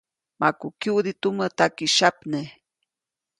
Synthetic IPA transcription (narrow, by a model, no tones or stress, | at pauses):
makukud̪it̪umət̪akiʃapne